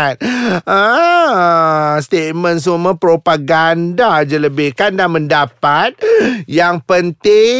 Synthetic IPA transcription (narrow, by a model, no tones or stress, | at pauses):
t̪̚a | st̪et̪̚mə̃ns̬uumapɾopaɡandad͡ʒələbɪhkandanməndapat̪̚jaŋpənt̪ɪ